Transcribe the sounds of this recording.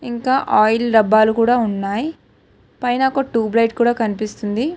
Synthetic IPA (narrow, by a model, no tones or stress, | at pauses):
iŋkaːʔaːjlɖɐbːaːlukuːɽaːunːaːji | pɐjnɐokoʈuːblɐjʈkuːɽaːkɐnipist̪und̪i